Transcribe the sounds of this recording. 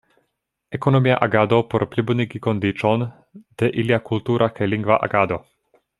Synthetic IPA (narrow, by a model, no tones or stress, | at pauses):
ɛkonomijaʔaɡaːd̪opɔɾplʲibud̪nikikond̪it͡ʃɔn | d̪̥ɛʔiljakult̪uːɾʔakʰɛliŋɡvaʔa̰ɡaːd̪o